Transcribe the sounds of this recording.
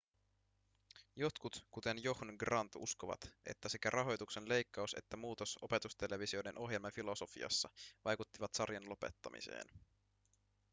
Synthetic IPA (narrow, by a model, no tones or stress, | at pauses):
jo̞t̪kut̪kut̪e̞njohnɡrɑnt̪ṵskoʋɑ̰t̪ʔe̞̰t̪ːæsekærʔɑɦo̞jt̪ukse̞nle̞jkːɑuse̞̰t̪ːæmuːt̪o̞so̞pe̞t̪ust̪e̞le̞ʋisio̞de̞nʔo̞ɦje̞lmɑfilo̞so̞fḭɑ̰sːɑʋɑjkut̪ːiʋɑt̪sɑrjɑnlo̞pe̞̰t̪ːɑmḭsḛːn